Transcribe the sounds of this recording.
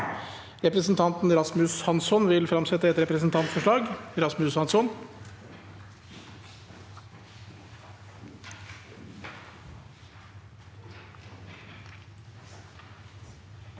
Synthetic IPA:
ɾɛpɾəsn̩t̪ʰɑnt̪n̩ɾɑsmʉshɑnsɔnʋɪlfɾɑmsɛt̪ːəɛt̪ɾɛpɾəsn̩t̪ʰɑnt̪fɔʂɭɑːɡɾɑsmʉshɑnsɔn

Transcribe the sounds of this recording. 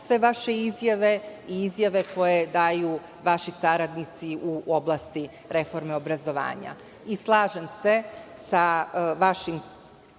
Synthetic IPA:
sʋe̞ʋaʃe̞izjaʋe̞iizjaʋe̞ko̞jed̪aːju | ʋaʃisaɾad̪nit̪siʔuʔo̞blˠast̪i | ɾe̞fo̞ɾme̞o̞bɾazo̞ʋa̰ːɲa̰ | islˠaːʒemse̞saʋaʃim

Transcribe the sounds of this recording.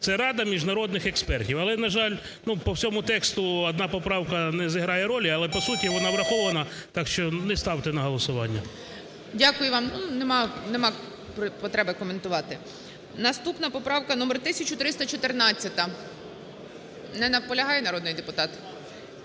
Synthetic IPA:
sɛɾɑd̪ɐmʲiʒnɐɾɔd̪̚nɪxekspɛrtʲiwɐlˠɛnɐʒɑlʲ | nupɔwsʲɔmʊt̪ɛkst̪ʊɐd̪nɑpɔpɾɑwkɐnɛziɦɾɑjɛɾɔlʲiɐlˠɛpɔsutʲiʋɔnɑʋɾɐxɔʋɐnɐt̪ɑkʃt͡ʃɔnɛst̪ɑwt̪ɛnɐɦɔlˠɔsʊʋɑnʲːɐ̰ | dʲakʊjʊʋɑmnunemɑnemɑ | ppɔt̪ɾɛbɪkɔment̪ʊʋɑt̪ɪ | nɐst̪upnɐpɔpɾɑwkɐnɔmert̪ɪsʲɐt͡ʃʊt̪ɾɪst̪ɐt͡ʃɔt̪ernɑt͡sʲːɐt̪ɐ | nɛnɐwpɔlʲɐɦɑjɛnɐɾɔd̪nʊjd̪epʊt̪ɑt̪

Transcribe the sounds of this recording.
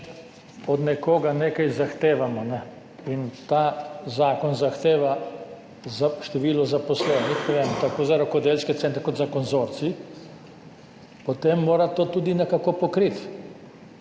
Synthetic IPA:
ɔd̪nɛkoːɡaneːkajzaxt̪eːʋamɔnɛ | int̪aːzaːkɔnzaxt̪eːʋa | zaʃt̪ɛʋiːlɔzapɔslɛːnixʋɛnt̪akoːzaɾɔkɔd̪eːlskɛt̪ɛnt̪ɾɛkot̪zakɔnzoːɾt̪si | pɔt̪emːoːɾat̪oːt̪uːd̪inɛkakopɔkɾit̪

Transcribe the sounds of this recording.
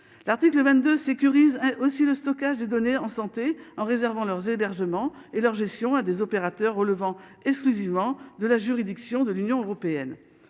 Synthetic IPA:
laʁt̪ikləvɛ̃t̪̚d̪øsekʲyʁizɛ̃ʔosiləst̪ɔkaʒd̪ed̪ɔneɑ̃sɑ̃t̪eɑ̃ʁezɛʁvɑ̃lœʁzebɛʁʒəmɑ̃elœʁʒɛst̪jɔ̃ad̪ezɔpeʁat̪œʁːələvɑ̃ɛksklyzivmɑ̃d̪əlaʒyʁid̪iksjɔ̃d̪əlynjɔ̃øʁɔpeɛn

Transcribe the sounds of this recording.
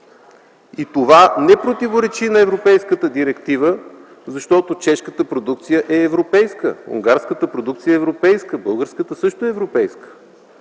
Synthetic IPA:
it̪ovanɛpɾot̪ivoɾɛt͡ʃinɐɛvɾopɛjskət̪əd̪iɾɛkt̪ivə | zɐʃt̪ɔt̪ot͡ʃɛʃkət̪əpɾod̪uk̚t̪sijəʔɛːvɾopɛjskə̰ṵŋɡaɾskət̪əpɾod̪uk̚t̪sijəɛːvɾopɛjskəbɤlˠɡəɾskət̪əsɤʃt̪oɛːvɾopɛjskə̥

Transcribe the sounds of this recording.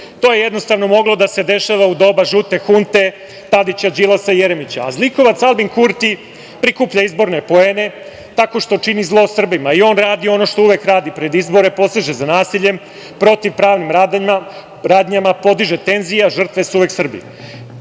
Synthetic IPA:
t̪oje̞je̞d̪no̞st̪aʋno̞mo̞ɡlˠo̞d̪ase̞d̪e̞ʃaʋaud̪o̞baʒut̪e̞xunt̪e̞ | t̪ad̪it͡ɕad͡ʒilasaijeɾemit͡ɕa̰ːzlˠiko̞ʋat̪salˠbiŋkuɾt̪i | pɾikuːpʎaizbo̞ɾnepo̞eːne̞ | t̪ako̞ʃt̪o̞t͡ʃinizlˠo̞sr̩bimaio̞ːnɾaːd̪ioo̞no̞ʃt̪o̞uʋekɾaːd̪ipɾe̞d̪izbo̞ɾe̞po̞st̪iʒezanaːsiʎe̞m | pɾo̞t̪iʋpɾaːʋnimɾaːd̪aɲima | ɾaːd̪ɲamapo̞d̪iʒe̞t̪e̞nzijaʒr̩t̪ʋe̞suuʋe̞ksr̩bḭ

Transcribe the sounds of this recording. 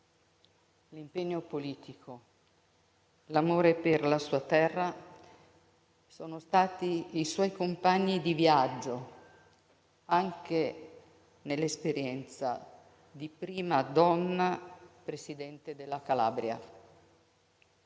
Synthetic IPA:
limpeɲːopoliːt̪ikʰo | lamoːɾeperlasuːat̪ɛrːa | soːnost̪aːt̪iiswɔjkompaɲːid̪ivjad͡ʒːo | aŋk̟e | nelːespeɾjɛnt̪sa̰ | d̪ipɾiːmad̪ɔnːapɾesid̪ɛnt̪ed̪elːakala̰ːbɾja̰

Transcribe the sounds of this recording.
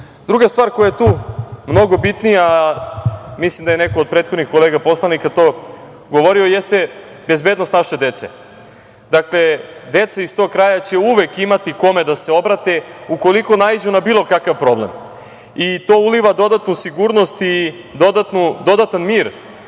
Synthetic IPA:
d̪̥ɾuɡast̪vaːɾkojajet̪uːmno̞ɡo̞bit̪nija | mislimd̪ajenekood̪̚pɾet̪xod̪nixko̞leːɡapo̞slˠanikat̪o̞ | ɡoʋoɾiojest̪e̞ | be̞zbeːd̪nost̪naʃe̞d̪e̞t̪sḛ | d̪akle̞d̪et̪saist̪o̞ɡ̚kɾajat͡ɕe̞uʋekimat̪iko̞me̞d̪ase̞o̞bɾat̪e̞uko̞liko̞naid͡ʑunabiːlˠo̞kakaʋpɾo̞blem | it̪o̞ːuliʋad̪o̞d̪at̪nusiɡuːɾno̞st̪i | d̪od̪at̪nud̪o̞d̪at̪anmiːɾ

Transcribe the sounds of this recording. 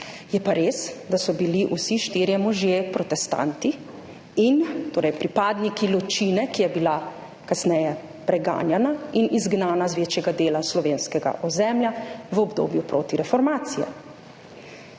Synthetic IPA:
jɛpaɾeːsd̪asɔbiliʔusiʃt̪iːɾjɛmɔʒjepɾɔt̪ɛst̪a̰nt̪i | int̪oːɾɛjpɾipaːd̪nikilɔt͡ʃiːnɛkijɛbila | kasnɛjɛ | pɾɛɡa̰ːnjɛnainizɡnaːnazʋeːt͡ʃjɛɡad̪eːlaslɔʋeːnskɛɡa̰ʔɔzɛmljaʋəɔbd̪o̰ːbjupɾoːt̪iɾɛfɔɾmaːt̪sijɛ̰

